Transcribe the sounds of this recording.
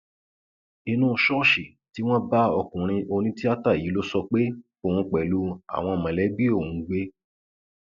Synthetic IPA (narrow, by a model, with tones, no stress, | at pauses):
i˧nũ˦˧ʃɔ˦ʃe˨ | ti˨˦w̃ɔ̃˦ba˦ɔ˧kũ˨ɾ̃ĩ˧ʔo˧nĩ˦ti˦a˦ta˦˨i˨˦lo˦sɔ˧k͡pe˦ | o˨w̃ũ˧k͡pɛ˨lu˧˦a̰˨w̃ɔ̃˧˨mã˨lɛ˨˦bi˦o˦˨ũ˨˦ɡ͡be˦